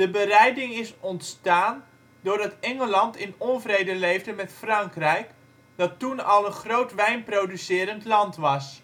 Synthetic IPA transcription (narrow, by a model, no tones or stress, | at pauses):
d̥əbərɛjdɪŋɪsɔntstaːn | dʊːrdɑtɛŋəlɑntɪnɔnvrejdəlejvdəmɛtfrɑŋkrɛjk | d̥ɑtːunɑlˠənχrowtʋɛjnprowdysɪːɾəntlɑntʋɑs